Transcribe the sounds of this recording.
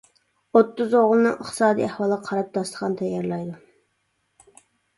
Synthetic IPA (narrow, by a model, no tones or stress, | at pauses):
ot̪ːuzoʁʊlˠnɨ̰ŋʔəχt̪ɨsɑːd̪ḭæhwɑlˠəʁɑqʰɑɾɑp̚d̪ɑslə̥ʁɑnt̪ʰɛjːɑɾlˠɑjd̪u